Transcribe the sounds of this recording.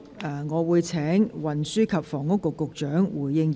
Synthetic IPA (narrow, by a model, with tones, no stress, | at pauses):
ɐː˨ŋɔː˨˧wuː˨˧jt͡sʰɛː˨˥ŋwɐ˨nsyː˥kʰɐ˨p̚fɔː˨˩ŋʊ˥kːʊ˨˧kːʊ˨k̚t͡ʃœː˨˥ŋwuː˨˩jːɪ˧ŋ